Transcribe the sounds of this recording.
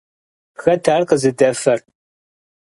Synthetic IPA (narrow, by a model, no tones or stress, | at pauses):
xɐtʰaːrqəzɨdɐfɐr